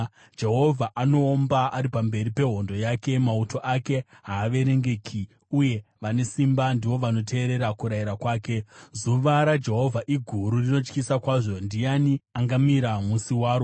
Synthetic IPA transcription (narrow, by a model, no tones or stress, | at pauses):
d͡ʒe̞ɦo̞vʱaʔano̞ːmbaʔaɾipambe̞ɾipe̞ɦo̞ndo̞jake̞mauto̞ʔake̞ɦaːʋe̞ɾe̞ŋɡe̞kʰi | uje̞ʋane̞simbandiʋo̞ʋano̞te̞ːɾe̞ɾakuɾajiɾakwaːke̞zuʋaɾad͡ʒe̞ɦo̞vʱaʔiɡʱuɾurino̞t͡ʃkisakwaːʐo̞ndijaniaŋɡamiɾamusiwaːɾo